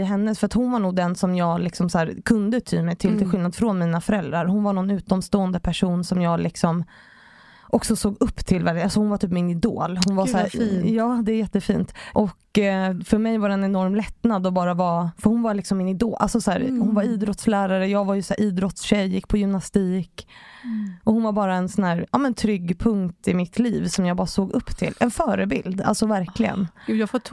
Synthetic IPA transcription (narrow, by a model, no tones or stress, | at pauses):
ɪɦɛnːəsfœɾat̪hʊnvaɳuːɡd̪ɛnsɔmjɑːɡlɪksɔmsæːɾkʰɵnd̪ət̪ʰy̰ːmɛjt̪ʰɪlt̪ɪlɧɪlnad̪fɾɔnmiːnafœɾɛld̪ɾaɾhʊnvaɳɔnʉ̟ːt̪ɔmst̪oːənd̪əpʰæʂuːnsɔmjɑːɡlʔɪksɔm | ʔɔksɔsoːɡɵpːt̪ʰɪlvæɾalsɔhʊnvaʈ̪ʰyːpmɪnɪd̪o̰ːlhʊnvasæːjɑːd̪ɛæɾjɛt̪ːəfiːnt̪ʔɔkfœɾmɛjvaɖɛnɛnɔɾmlɛt̪nad̪ɔbɑːɾavɑfœɾhʊnvalɪksɔmːɪnɪd̪oːlʔa̰lsɔsæːɾhʊnvaɾiːd̪ɾɔt̪slæːɾaɾəjɑːɡvajɵsæːɾʔiːd̪ɾɔt̪sɕɛjɪkpʰɔjʏmnast̪iːk | ʔɔhʊnvaɾbɑːɾaɛnsɔnhæːɾɑːmɛnt̪ʰɾʏɡːpʰɵŋkt̪ɪmɪt̪ʰliːvsɔmjɑːɡbɑːɾasoːɡɵpːt̪ʰɪ̰lːɛnfœːɾəbɪ̰ld̪a̰lsɔvæɾkʰlɪɡə̰nːjfɔ